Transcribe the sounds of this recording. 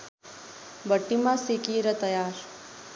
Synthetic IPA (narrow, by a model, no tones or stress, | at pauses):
bəʈːimãsikiːɾət̪əjaːɾ